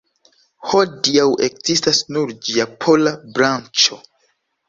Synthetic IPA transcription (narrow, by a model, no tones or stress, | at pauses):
ho̞diawe̞kzistasnuɾd͡ʒiapʰo̞labɾant͡ʃo̞